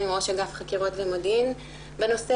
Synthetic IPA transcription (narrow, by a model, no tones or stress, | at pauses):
imoʃeɡafχakiʁo̞tvemodin | beno̞se